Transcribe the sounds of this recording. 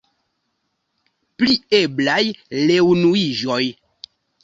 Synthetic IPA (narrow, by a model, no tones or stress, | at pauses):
plieblajlewnuiʒɔj